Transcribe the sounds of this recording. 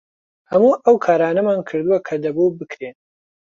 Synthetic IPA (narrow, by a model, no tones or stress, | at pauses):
hɐmuːʔɐwkʰaːɾaːnɐmaːnkʰɨɾd̪uwɐkʰɐd̪ɐbubɨkɾen